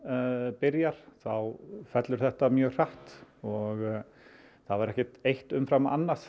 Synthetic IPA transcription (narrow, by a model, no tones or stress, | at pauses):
pɪɾjaɾ̥θawfɛt̪lʏɾ̥θɛht̪amjœːɣr̥aht̪ɔɣ | θavaɾɛhcɪt̪ejht̪ʏmfɾama̰nːḁs